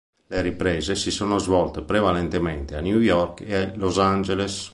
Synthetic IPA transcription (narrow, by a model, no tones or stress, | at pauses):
leɾipɾɛːzesisoːnozvɔlt̪epɾevalent̪ement̪eanjujɔrkealozand͡ʒeles